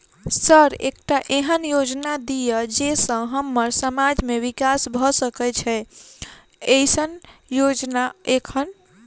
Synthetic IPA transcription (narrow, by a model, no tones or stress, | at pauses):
səɾḛkʈaʔeɦənjod͡ʒnad̪ijəd͡ʒesə̃ɦəmːəɾsəmad͡ʒmeʋikasbʱɔsəkɛt͡ʃʰɛ | ejsənjod͡ʒnaekʰən